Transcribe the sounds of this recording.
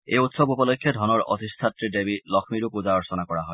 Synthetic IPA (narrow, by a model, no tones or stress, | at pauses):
ḛjutsɔbupɔlɔkʰːjɔdʱɔnɔɹɔ̰tistʰatɹidebilɔkʰmiɹupuzaɔɹsɔnakɔɹaɦɔj